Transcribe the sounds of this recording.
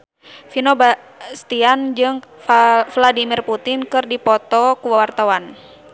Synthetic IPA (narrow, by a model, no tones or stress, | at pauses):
finoba | st̪iand͡ʒɨŋ | fladimirput̪ɪnkɨrdipɔt̪ɔkuwwart̪awan